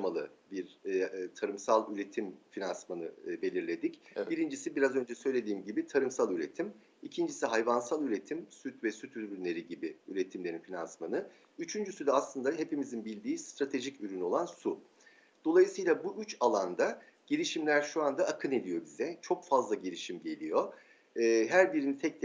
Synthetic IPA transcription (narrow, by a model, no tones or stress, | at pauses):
malˠɯbiɾt̪ʰaɾɯmsalˠyɾe̞t̪ʰimfinansmanɯbe̞lʲiɾlʲe̞d̪iciɾind͡ʒisibiɾazø̞nd͡ʒɛsø̞jlʲe̞d̪iːmɟibit̪ʰaɾɯmsalˠyɾe̞t̪ʰim | icʰind͡ʒisiɦajvansalˠyɾe̞t̪ʰimsyt̪vɛsyt̪ʰyɾbyɾnʲe̞ɾiɟibiyɾet̪ʰimlʲe̞ɾinfina̰nsmanɯ | yt͡ʃʰynd͡ʒysyd̪ɛaslˠɯnd̪aɦe̞pimizinbilʲd̪iːst̪ɾat̪ʰe̞ʒicyɾyno̞lˠansu | d̪̥o̞lˠajɯsɯjlˠabuʔyt͡ʃalˠand̪a | ɟ̥ilʲiʃimlʲæɾʃuand̪aːkʰɯnelʲijo̞bizɛt͡ʃʰo̞kfazlˠaɟiɾʲiʃimɟe̞lʲijo̞ː | ɦæɾbiɾinit̪ʰɛc̚t̪